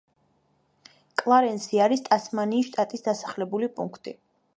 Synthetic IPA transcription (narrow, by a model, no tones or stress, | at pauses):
kʼlˠaɾɛnsiaɾist̪ʼasmaniːsʃt̪ʼat̪ʼisd̪asḁχlɛbulipʼṵŋkʰt̪ʼḭ